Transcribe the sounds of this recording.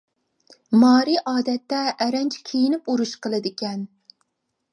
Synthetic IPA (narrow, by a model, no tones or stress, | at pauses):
mɑːɾiʔɑːd̪ɛt̪ːɛʔːɾɛnt͡ʃʰkʲʰejinɪpuɾuʃqʰəlˠɨd̪ɪkʲɛn